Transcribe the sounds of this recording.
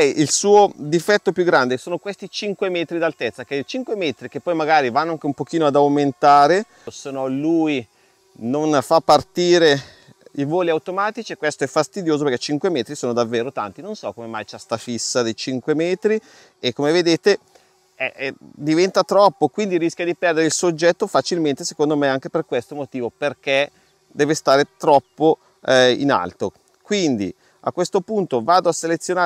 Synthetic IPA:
ɛjʔilsuːod̪ifɛt̪ːopjuɡːɾand̪esoːnokwest̪it͡ʃiŋkwemɛːt̪ɾid̪alt̪ɛt̪sːak̟et͡ʃiŋkwemeːt̪ɾik̟epːɔjmaɡaːɾivanːoaŋk̟eumpok̟iːnoad̪awment̪aːɾe | senːɔluj | nonfapːart̪iːɾe | ivoːliawt̪omaːt̪it͡ʃiekwest̪oɛfːast̪id̪joːzopeɾkɛt͡ʃiŋkwemɛːt̪ɾisoːnod̪avːeːɾot̪a̰nt̪inonsɔkomema̰jt͡ʃast̪afisːad̪ejt͡ʃiŋkwemɛːt̪ɾi | ekːomeved̪eːt̪e | ɛʔd̪ivɛnt̪at̪ɾɔpːokwind̪iɾiskjad̪ipɛrd̪eɾeilsod͡ʒːɛt̪ːofat͡ʃilment̪esekond̪omeaŋk̟eperkwest̪omot̪iːvoperk̟e | d̪ɛːvest̪aːɾet̪ɾɔpːo | ḭna̰lt̪o | kwind̪ḭ | a̰kwest̪opunt̪ovaːd̪oasːelet̪sːjonaː

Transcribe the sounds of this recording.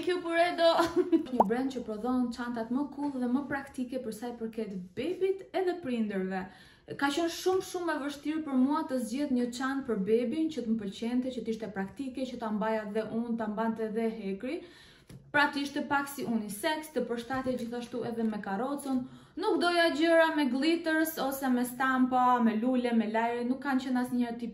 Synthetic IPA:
kupəɾɛd̪ɔʃɲəbɾɛnd̪̚t͡ʃəpɾɔðɔnt͡ʃant̪at̪məkʰulˠðɛməpɾakt̪ikɛpəɾsajpəɾkɛt̪bɛbit̪ɛðɛpɾind̪əɾvɛ | kat͡ɕɔnʃumʃumːɛvəʃt̪iɾpəɾmuat̪əzd͡ʑɛðɲət͡ʃant̪̚pəɾbɛbint͡ɕət̪əmpəlt͡ɕɛnt̪ɛt͡ɕət̪iʃt̪ɛpɾakt̪ikɛt͡ɕət̪ambajaðɛʔunt̪ambant̪ɛðɛɦɛkɾi | pɾat̪iʃt̪ɛpaksiʔunisɛkst̪əpəɾʃt̪at̪ɛd͡ʑiθaʃt̪uʔɛðɛmɛkaɾɔt͡sɔnː | ukd̪ɔjad͡ʑəɾamɛɡlit̪əɾsɔsɛmɛst̪ampamɛlulɛmɛlajɾɛnukːant͡ɕənasɲɛɾt̪i

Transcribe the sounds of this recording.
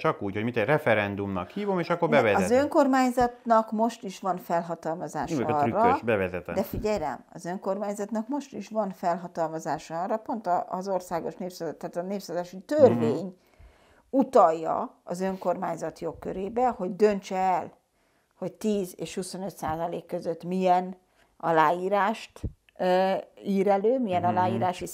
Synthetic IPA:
t͡ʃɒkuːchomit̪ɛrɛfɛɾɛnd̪umnɒ̰khiːvo̞meːʃɒkːoɾbɛvɛzɒɛzøŋko̞rmaːɲzɒt̪nɒkmo̞ʃt̪iʃʋɒnfɛlɦɒt̪ɒlmɒzaːʃɒyrːɒøʃbɛvɛzɛt̪ɛ̰d̪ɛfiɟɛjlɛ̰mɒzøŋko̞rmaːɲzɒt̪nɒkmo̞ʃt̪iʃʋɒnfɛlɦɒt̪ɒlmɒzaːʃɒɒrːɒpo̞nt̪ɒzo̞rsaːɡo̞ʃneːpsat̪ːaːt̪ɒneːpsazaːʃit̪ørveːɲ | ut̪ɒjːɒ̰ɒzø̞ŋko̞rmaːɲzɒt̪jo̞kːø̰ɾeːbɛho̞ɟd̪ø̞nt͡ʃɛɛl | ho̞ct̪iːzeːʃhuso̞nø̞t̪saːzɒleːkːøzøt̪ːmijɛn | ɒlaːjiːɾaːʃt̪ | iːɾɛløːmijɛnɒlaːjiːɾaːʃi

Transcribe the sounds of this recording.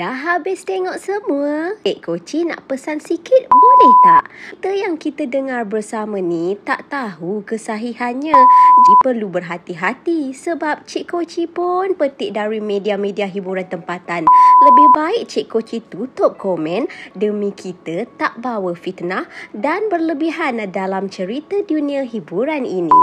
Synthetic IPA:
daɦabɪst̪eŋɔʔsəmuəɪʔkot͡ʃinã̰ʔpəsansikɪt̪̚bolɛht̪aʔt̪əjaŋkit̪ədəŋarbərsamə̃nĩt̪aʔt̪aɦukəsaɦiɦanɲãd͡ʒipərlubərɦat̪iɦat̪isəbap̚t͡ʃiʔkot͡ʃipʊnpət̪ɪʔ̚daɾimẽdiamẽdiaɦibuɾant̪əmpat̪anləbɪhbaɪk̚t͡ʃiʔkot͡ʃit̪ut̪ʊp̚komɛ̃ndəmĩkʰit̪ət̪aʔbawəfit̪nadanbərləbiɦandalamt͡ʃəɾit̪ədunĩaɦibuɾaninĩ

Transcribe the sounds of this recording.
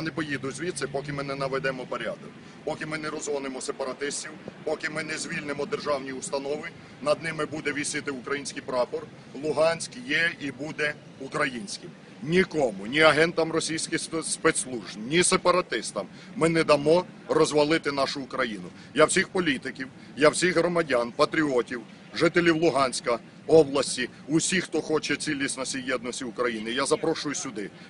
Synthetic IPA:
janɛpɔjid̪ʊzʲʋʲit̪sɛpɔkɪmɪnɛnɐʋɛd̪ɛmɔpɔɾʲad̪ɔk | pɔkɪmɪnɛɾɔzʋɔnemɔsepɐɾɐt̪ɪsʲtʲiwpɔkɪmɪnɛzʲʋʲilʲnɪmɔd̪erʒɑwnʲiust̪ɐnɔʋɪ | nɐd̪nɪmɪbud̪ɛʋʲisɪt̪ɪʊkɾɐjinʲsʲkijpɾɑpɔr | lˠʊɦɑnʲsʲkjɛibud̪ɛ | ukɾɐjinʲsʲkɪm | nʲikɔmʊnʲiɐɦɛnt̪ɐmrɔsʲijsʲkʲɪxspɛt̪slˠuʒnʲisepɐɾɐt̪ɪst̪ɐmː | ɪnɛd̪ɐmɔ | rɔzʋɐlˠɪt̪ɪnɑʃʊːkɾɐjinʊ | jawsʲixpɔlʲit̪ɪkʲiw | jawsʲixɦɾɔmɐdʲanpɐt̪ɾʲiɔtʲiw | ʒɪt̪elʲiwlˠʊɦɑnʲsʲkɐ | ɔblˠɐsʲtʲi | ʊsʲixt̪ɔxɔt͡ʃɛt͡sʲilʲisʲtʲnɐsʲijjɛd̪nɔsʲtʲiʊkɾɐjinɪjazɐpɾɔʃʊjʊsʲʊd̪ɪ

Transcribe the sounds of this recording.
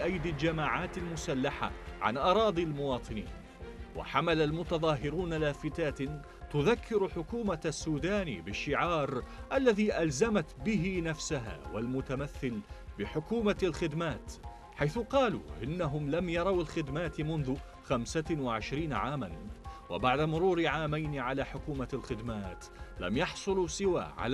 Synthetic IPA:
ʔajd̪ɪld͡ʒamaːʕaːt̪almʊsalːaħa̰ʕa̰nʔɑɾˤɑːd̪ˤilmʊwɑːt̪ˤɨnḭːn | wa̰ħamalalmʊt̪ɑðˤɑːɦɪɾuːnalaːfɪt̪aːt̪ | t̪ʊðakːɪɾħʊkuːmasːuːd̪aːnḭbɪʃːɪʕɑːɾˤʔalːaðiːʔalzamat̪bɪɦɪnafsaɦa̰ːwalmʊt̪amaθːɪlbɪħʊkuːmaalxɪd̪maːt̪ | ħajθʊqɑːlṵːʔɪnːaɦʊmlamjɑɾˤɑwɪlxɪd̪maːt̪mʊnðʊ | xamsawɪʕɪʃɾiːnaʕaːmanwɪ̰baʕd̪amʊɾuːɾʕaːmajnɪʕalaːħʊkuːmalxɪd̪maːt̪ | la̰mjɑħsˤʊlusɪwa̰ːʕa̰l

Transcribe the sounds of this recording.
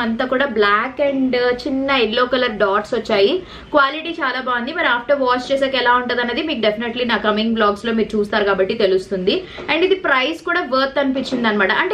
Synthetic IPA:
ɐnt̪aːkuːɽaːblaːkeɳɖt͡ʃinːɐinloːkɐlɐɾɖaːʈsʋɐt͡ʃːaːji | kʋaːliʈiːt͡ʃaːlaːbaːund̪imɐɾaːpʰʈɐɾʋaːt͡ʃt͡ʃeːseːkɛlaːuɳʈund̪ɐnːɐd̪imiːkuɖepʰineʈlinaːkɾɐmiŋɡblaːɡslo̞ːmiːɾut͡ʃuːst̪aːɾukaːbɐʈːit̪e̞lust̪und̪iɐɳɖid̪ipɾɐjskuːɽaːʋɐːɾt̪ːɐnipit͡ʃːind̪aːnimɐːʈɐʔɐɳʈː

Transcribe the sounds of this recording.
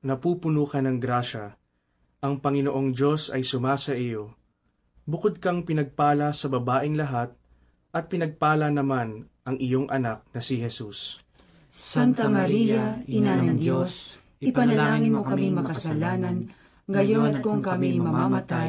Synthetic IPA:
nɐpuːpʊnuːkɐnɐŋɡɾaʃɐ | ʔɐŋpɐŋɪnoʔo̞ŋd͡ʒo̞sɐjsʊmaːsɐʔɪjo̞ | bʊkod̪̚kɐŋpɪnɐɡ̚paːlɐsɐbɐbaːʔɪŋlɐɦat̪̚ | ʔɐt̪̚pɪnɐɡ̚paːlɐnɐmanʔɐŋɪjo̞ŋʔɐnak̚nɐsɪhɛsus | sant̪ɐmɐɾijɐɪnanɐŋd͡ʒjos | ɪppɐnɐllaːŋɪnmokɐmiŋmɐkɐsɐlaːnɐn | ɡɐjonɐt̪̚koŋkɐmijmɐmamɐt̪a

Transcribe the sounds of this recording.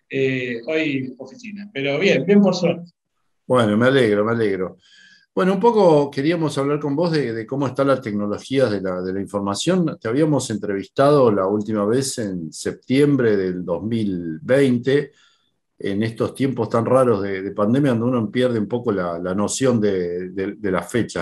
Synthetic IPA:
eojofisinapeɾoβjembjempoɾsweɾt̪e̥ | bwenomealeɣɾomealeɣɾo̞ | b̥we̞noumpo̞koke̞ɾiamo̞saβlaɾko̞mbo̞zðeðeko̞moest̪alat̪e̞kno̞lo̞xiaðelaðelaiɱfoɾmasjo̞nt̪eaβiamo̞se̞nt̪ɾe̞βist̪að̞o̞lault̪imaβesensep̚t̪je̞mbɾeðeld̪o̞zmilbejnt̪ḛː | nest̪o̞st̪je̞mpo̞st̪anraɾo̞zðeðepand̪emjakond̪unoempjɛɾð̞eumpo̞kolalano̞sjond̪eðed̪ela̰fet͡ʃa

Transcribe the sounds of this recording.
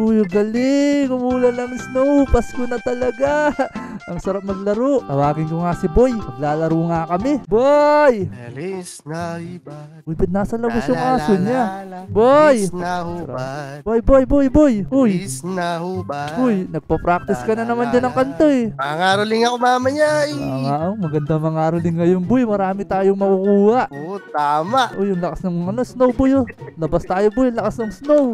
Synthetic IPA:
ujɡɐlɪŋʊmuːlɐlɐŋɪsnoʔupɐskʊnɐt̪ɐlɐɡa | ʔɐŋsɐɾap̚mɐɡlɐɾoʔk̪ɐwaːɡɪŋkoŋasɪbojpɐɡ̚laːlɐɾuːŋakɐmɛboj | ʊjbɐt̪̚naːsɐlɐbasjʊŋʔaːsoɲabojsɾa̰bojbojbojbojʔʊj | ʊjnɐɡ̚pɐpɾak̚t̪ɪskɐnɐnɐmand͡ʒɐnɐŋkɐnt̪oɛɐŋaːɾolɪŋɐkomaːmɐɲajɐŋaʔomɐɡɐnd̪amɐŋaːɾʊlɪŋːɐjonbʊjmɐɾaːmɪt̪aːjoŋmɐkukuːhɐʔot̪aːmaʔʔojʊŋlɐkasnɐŋɐnosnowbʊjolɐbast̪aːjobʊjlɐkasnɐŋsnow

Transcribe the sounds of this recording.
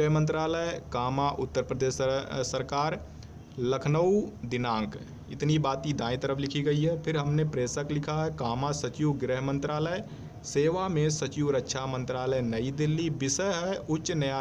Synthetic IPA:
ɦmə̃nt̪ɾaːləjkaːmaʔʊt̪ːəɾpɾəd̪eːʃsːəɾkaːɾ | ləkʰnəud̪ɪnãːŋk | ɪt̪nibaːt̪id̪aːĩt̪əɾəpʰlɪkʰiɡɐiɦɛpʰɪɾɦɐmnepɾeːsəklɪkʰaɦɛkaːmasət͡ʃiwɡɾɪɦmə̃nt̪ɾaːləj | seːʋamẽsɐt͡ʃiʋɾəkːʃʰamə̃nt̪ɾaːləjnɐid̪ɪlːibɪsəɦɛʊtːʃnɐja

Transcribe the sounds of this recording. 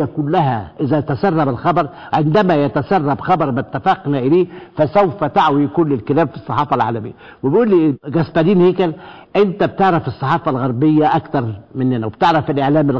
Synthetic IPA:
ækʊlːæɦæ̰ʔɪzæt̪æsɑrˤːɑbælxɑbɑɾˤ | ʕɪnd̪æmæjæt̪æsɑrˤːɑbxɑbɑɾˤmæt̪ːæfɑqnæʔɪleːfæsæwfæt̪aʕwijkuːnlɪlkɪlæːbfi̥sˤːɑħɑːfɑlʕa̰ːlæmɪ̰jːæ | wɪbʔuːlːiɡæsbædiːnheːkælʔɪnt̪æb̚t̪eʕɾæfɪsˤːɑħɑːfɑlɣɑɾˤbɪjːæʔækt̪ɑɾˤmɪnːɪnæweb̥̚t̪eʕɾˤæfɪlʔeʕlæːmɪl

